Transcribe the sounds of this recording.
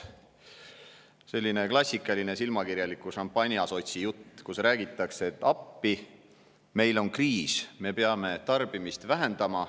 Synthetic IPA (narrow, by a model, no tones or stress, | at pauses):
se̞lʲːine̞klɑsʲːikːˑɑline̞silmɑkiɾjɑlikuʃɑmpːˑɑnʲiɑso̞t̪ʲsijut̪ːkusræːɡ̥it̪ˑːɑkset̪ːˑɑpːi | me̞jlo̞nkriːsme̞peɑme̞t̪ɑrb̥imist̪væɦe̞nd̪ɑmɑ